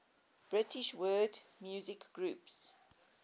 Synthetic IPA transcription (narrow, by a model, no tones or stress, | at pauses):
b̥ɹɪtɪʃwɜːdmjuːzɪkɡ̥ɹuːps